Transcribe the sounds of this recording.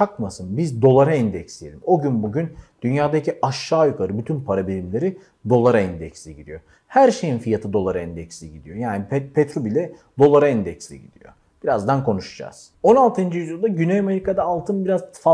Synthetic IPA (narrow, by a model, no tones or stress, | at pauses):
t͡ʃʰakmasɯnbizd̪o̞lˠaɾaɛnd̪ɛcsʲijelʲimo̞ɟynbuɟynd̪̥ynjaːd̪acʰiʔaʃːaːjukʰaɾɯbyt̪ʰynpʰaɾabilʲimlʲe̞ɾi | d̪o̞lˠaɾaɛnd̪ɛcsiɟid̪ḭjo̞ | hæɾʃe̞jinfijat̪ʰɯd̪o̞lˠaɾaɛnd̪ɛcsliɟid̪ijo̞jaːnipɛpʰɛt̪ɾobilʲɛ | d̪o̞lˠaɾaɛnd̪ɛcslḭɟḭd̪ḭjo̰ | b̥iɾazd̪ankʰo̞nuʃad͡ʒa̰z̥ | o̞nalˠt̪ʰɯnd͡ʒijyzjd̪aɟynejameɾikʰad̪aːlˠt̪ʰɯnbiɾazfa